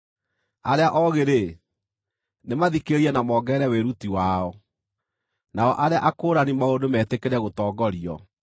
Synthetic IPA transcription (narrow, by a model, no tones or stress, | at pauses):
aɾeaʔɔɣeɾe | nemaðikeɾiɛnamɔːɡɛːɾɛweɾutiwaɔ | naɔʔaɾeaʔakoːɾanimaodomɛːtekeɾɛɣotɔːɡɔɾiɔ